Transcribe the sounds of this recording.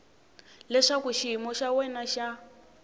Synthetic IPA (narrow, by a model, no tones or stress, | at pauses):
lɛʂakuʃiɦimɔʃawɛnaʃa